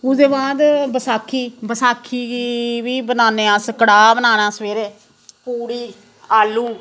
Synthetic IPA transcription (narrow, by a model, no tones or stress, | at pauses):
ʊd̪eːbaːd̪bəsaːkʰːiːbəsaːkʰːiːiʋiːbənaːneːãːsəkəɽaːbənaːnaːsəʋeːɾeː | puːɽiː | aːluː